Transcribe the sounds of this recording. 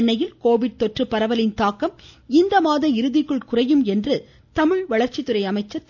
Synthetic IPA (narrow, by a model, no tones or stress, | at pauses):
ɳːɐjɪlkoːʋɪɽ̚t̪ɔʈrɯpːɐɾɐʋɐlɪnt̪aːkːɐmɪnd̪ɐmaːðɐɪɾɯðɪkːɯɭkʊrɐjɯmɛndrɯ | t̪ɐmɪɻʋɐɭɐɾt͡ʃɪt̪ɯɾɐɪɐmɐɪt͡ʃːɐt̪ː